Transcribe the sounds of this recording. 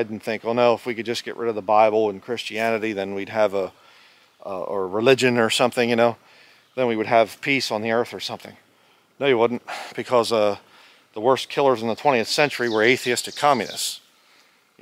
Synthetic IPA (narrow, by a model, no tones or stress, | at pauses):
dn̩θɪ̃ŋkolˠnoʊəfwikɨd̚d͡ʒʌsɡ̥ɛ̰ʔɹʔɪ̰ɾʌvðəbaɪbl̩ˠə̃nkʰɹ̥ɪst͡ʃiænɨɾiðɨ̃nwid̚ɨvə | əɹɨlɪd͡ʒɨ̃nə˞sʌ̃mθɪ̃ŋjɨñoʊ | ðɨ̃nwiwɨɾ̚ɨv̥pʰisn̩ðiɜ˞θə˞sʌ̃mθɪ̃ŋ | noʊjɨwʊdⁿn̩tb̥ɨkʰʌzʌ | ðəwɜ˞skʰɪlˠə˞zn̩ðətʰɛ̃ɾ̃iɨθsɛ̃nt͡ʃə˞iwə˞eɪθiɪstɨkʰːɑmjɨnɨ̰sts